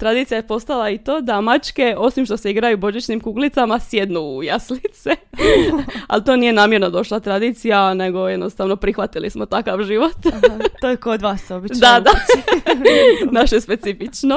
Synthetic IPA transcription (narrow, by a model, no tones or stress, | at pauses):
t̪ɾad̪iːt̪sijajepo̞st̪alait̪o̞ːd̪amat͡ʃke̞o̞simʃt̪o̞seiɡɾajubo̞ʒit͡ʃnimkuːɡlit̪amasje̞d̪nujaslit̪se | a̰lt̪o̞ːnije̞naːmje̞ɾnod̪o̞ʃlˠat̪ɾad̪iːt̪sijane̞ɡo̞je̞d̪nost̪aːʋno̞pɾixʋat̪ilismo̞t̪akaʋʒiʋo̞t̪t̪ojekod̪ʋasobid̪ad̪a | naʃespe̞t̪sifit͡ʃno